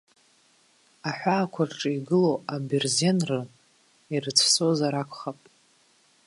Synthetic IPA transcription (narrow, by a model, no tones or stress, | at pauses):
aħʷᶣaːkʷʰarʈ͡ʂʼɨiɡɨloaberzenrɨ | irɨt͡sʰsozaɾakʷʰχapʼ